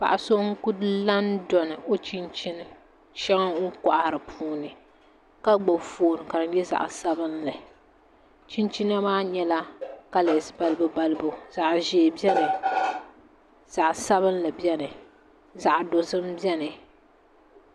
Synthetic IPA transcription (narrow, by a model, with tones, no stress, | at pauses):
pa̰˨ʔa˨so˦ŋ̩˦ku˦dla˦ndɔ˨nɨ˨o˦t͡ʃi˦nt͡ʃi˦nɨ˦ | t͡ʃɛ˦ŋa˦kɔ˨ʔa˨ɾɨ˨pʰuː˦nɨ˨ | ka˦ɡ͡bo˨foː˨nɨ˨ka˨ɾɨ˨˦jɛ˦za̰˨ʔsa˦bɨ˦nla˨ | t͡ʃi˦nt͡ʃi˦na˦maː˦ɲɛ˦la˦ka˦le˨sba˨lɨ˦bɨ˨ba˨lɨ˦bo˨za˨ʔʒeː˨bɛ˦nɨ˨ | z̥a˨ʔsa˦βɨ˦n˦la˨bɛ˦nɨ˨ | za˨ʔdo˨zɨ˦mbɛ˦nɨ˨